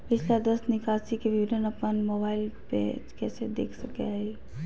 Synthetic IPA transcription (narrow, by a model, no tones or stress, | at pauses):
pɪt͡ʃʰlad̪əsnɪkaːsikebɪʋɪd̪ʱənɐpənmoːbaːɪlpḛd͡ʒkɛːsed̪ḛːkʰsɐkeai